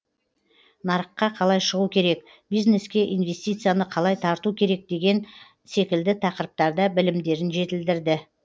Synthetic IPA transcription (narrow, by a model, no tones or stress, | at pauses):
nɑɾəqːɑqʰɑlˠɑjʃəʁukʲʰe̞ɾe̞k | bijzne̞skʲe̞ʔijnve̞st̪ʲijt̪sɨjanəqʰɑlˠɑjt̪ʰɑɾt̪ukʲʰe̞ɾe̞k̚d̪e̞ɡʲe̞n | se̞kʲɪld̪ɪt̪ʰɑqəɾəp̚t̪ɑɾd̪ɑbɪlɪmd̪e̞ɾɪnʒe̞t̪ɪld̪ɪɾd̪ɪ